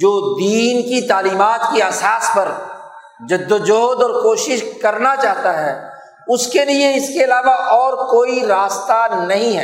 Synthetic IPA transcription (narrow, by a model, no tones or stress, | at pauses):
d͡ʒoːd̪iːnkit̪aːliːmaːt̪kiaːsaːspɐɾ | d͡ʒɐd̪ːəd͡ʒoːd̪ɔːɾkoːʃɪʃkɐɾnat͡ʃaːɦt̪aɦɛː | ʊskelieɪskeɐlaːʋaʔɔːɾkoːiɾaːst̪anɐɦĩɦɛ̰ː